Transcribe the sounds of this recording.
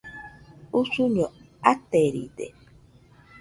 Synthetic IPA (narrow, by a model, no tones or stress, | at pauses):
usuɲo | at̪eɾḭdḛ